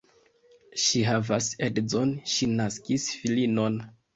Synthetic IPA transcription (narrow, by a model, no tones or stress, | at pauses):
ʃiɦavasedzonʃinaskisfilino̞n